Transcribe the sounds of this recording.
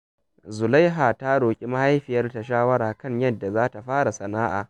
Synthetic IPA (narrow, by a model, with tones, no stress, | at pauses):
zʊ˨la˦jɦa˨ta˦ɽoː˨kʲʼi˦ma˦ha˦jɸɪ˨jɐ˦rta˨ʃaː˦wɐ˦ɽaː˨kɐ˦˨ɲjɐ˦dːa˨zaː˦ta˨ɸaː˦ɽa˨sɐ˨naː˦ʔa̰ː˨